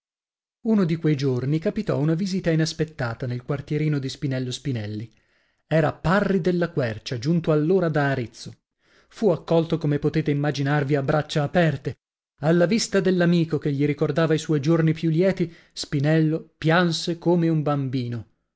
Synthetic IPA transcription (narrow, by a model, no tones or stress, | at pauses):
unod̪ikwejd͡ʒornikapit̪ɔ̰unavizit̪ainaspet̪ːaːt̪anelkwart̪jeɾiːnod̪ispinɛlːospinɛlːi | ɛːɾaparːid̪elːakwɛrt͡ʃad͡ʒunt̪oalːoːɾad̪aːɾit̪sːo | fuakːɔlt̪okomepot̪eːt̪eimːad͡ʒinarviabːɾat͡ʃːaːpɛrt̪e | alːavist̪ad̪elːamiːkokeʎːiɾikord̪aːvaiswɔjd͡ʒornipjulːjɛːt̪i | spinɛlːopjansekoːmeumbambiːno